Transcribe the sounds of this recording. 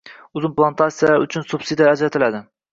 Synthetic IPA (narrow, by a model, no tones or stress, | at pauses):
ʊzɪnplˠant̪ʰat̪sijaʊt͡ʃʰʊnsubsid̪ijaæd͡ʒɾat̪ʰɪlad̪ɪ